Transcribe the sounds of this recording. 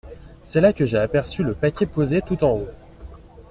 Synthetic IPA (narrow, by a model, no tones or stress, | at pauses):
sɛlakʲəʒeapɛʁsyləpakʲɛpozet̪ut̪ɑ̃o